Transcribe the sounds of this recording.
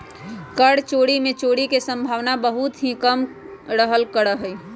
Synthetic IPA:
kəɽt͡ʃoːɽimẽt͡ʃoːɽikesə̃mbʱaːʋnabəɦut̪ɦĩkəm | ɾəɦəlkəɽəɦəi

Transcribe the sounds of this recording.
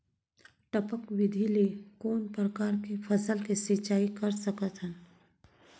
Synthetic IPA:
ʈɐpəkʋɪd̪ʱilikoːnpɾəkaːɾkefʰɐsəlkesit͡ʃaːikɐɾsɐkət̪ɦɛn

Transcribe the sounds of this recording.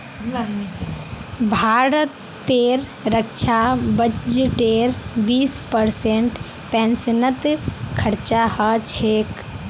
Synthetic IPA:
bʱaːɾət̪ː | eːɾɾəkʃʰabəd͡ʒʈeːɾbiːspəɾseɳʈ | pɛːnsənət̪kʰəɾt͡ʃahət͡ʃʰeːk

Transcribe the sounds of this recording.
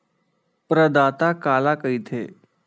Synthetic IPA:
pɾəd̪aːt̪akaːlakəit̪ʰḛː

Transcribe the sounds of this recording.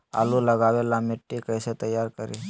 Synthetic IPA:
a̰luləɡaʋelamɪʈːikəjset̪əjːaɾkəɾi

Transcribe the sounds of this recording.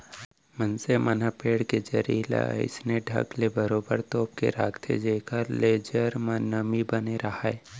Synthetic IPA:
mənsemənapeːɽked͡ʒɐɾila̰ə̰ɪsneɖʱɐ̰ɡlebəɾoːbəɾt̪oːp̚kḛɾaːkt̪ʰḛd͡ʒeːkəɾleːd͡ʒəɾmənəmibəneɾɐɦaɛ

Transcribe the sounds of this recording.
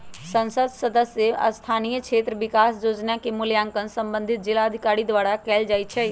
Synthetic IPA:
sə̃nsəd̪səd̪əsjəə̰st̪ʰaːnijəkʃʰeːt̪ɾəʋɪkaːsd͡ʒoːd͡ʒnakemʊljãːŋkənsə̃mbə̃nd̪ʱɪt̪̚d͡ʒɪlaəd̪ʱikaːɾid̪ʋaːɾakɛːld͡ʒaːjt͡ʃʰɛ

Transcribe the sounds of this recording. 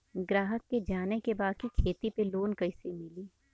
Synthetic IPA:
ɡɾaːɦəkːed͡ʒaːnekebaːd̪̚kikʰeːt̪ipeloːnkɐɪsemɪliː

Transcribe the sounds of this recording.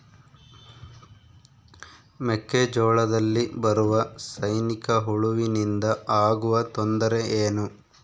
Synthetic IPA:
mekːed͡ʒɔːɭɐd̪ɐlːibɐɾuʋɐsɐjnikɐɦuɭuʋinind̪ɐaːɡuʋɐt̪ond̪ɐɾe̞ʔeːnu

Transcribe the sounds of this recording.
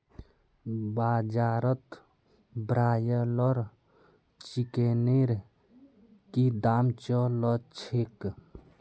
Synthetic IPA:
bad͡ʒaɾət̪ | bɾajəlɔɾ | t͡ʃikeneɾ | kid̪amt͡ʃɔlɔt͡ʃʰek

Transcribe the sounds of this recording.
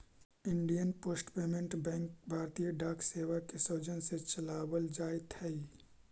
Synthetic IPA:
ɪɳɖijənpoːsʈpeːmẽɳʈbɛ̃ːŋk̚bʱaːɾt̪ijəɖaːkseːwakesoːd͡ʒənset͡ʃɐlaːwəld͡ʒaːɪt̪ʰɛi

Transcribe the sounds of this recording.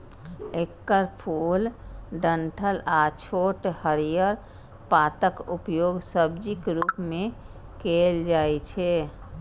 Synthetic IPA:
ekːəɾpʰulɖəɳʈʰəlat͡ʃʰoʈhəɾijəɾ | pat̪əkupjoɡsəbd͡ʒikɾupmẽ | keld͡ʒaɛt͡ʃʰɛ

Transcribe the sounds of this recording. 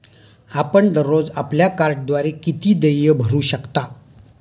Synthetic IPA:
apəɳd̪əɾːod͡zapljakaɾʈ̚d̪ʋaɾekit̪iːd̪əjəbʱəɾuːɕəkt̪a

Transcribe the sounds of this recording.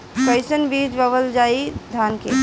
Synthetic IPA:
kəɪsənbiːd͡ʒbəʋəld͡ʒaid̪ʱaːnkḛ

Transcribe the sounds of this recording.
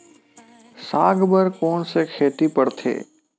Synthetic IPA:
saːɡbəɾkɔːnsekʰeːʈ̪ipəɽt̪ʰḛː

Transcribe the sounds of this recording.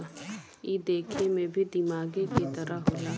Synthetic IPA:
iːd̪eːkʰemẽbʱid̪ɪmaːɡeket̪ɐɾəɦoːjaː

